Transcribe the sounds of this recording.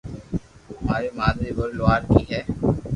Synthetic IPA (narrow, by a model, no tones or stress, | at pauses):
oːɦmaːɾeːmaːd̪ɾeːʋəɾloaːɾkiːɦɛː